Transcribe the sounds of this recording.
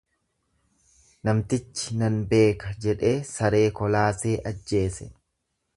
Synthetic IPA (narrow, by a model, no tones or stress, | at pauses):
nɐmt̪ɪt͡ʃːɪ̥nɐnbe̞ːkɐd͡ʒɛᶑe̞ːsɐɾe̞ːkɔlaːse̞ːʔɐd͡ʒːe̞ːsɛ̰